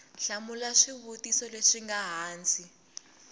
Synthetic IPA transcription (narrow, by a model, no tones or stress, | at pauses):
ɬamulaʂiβutisɔleʂiŋɡaɦaːnt͡si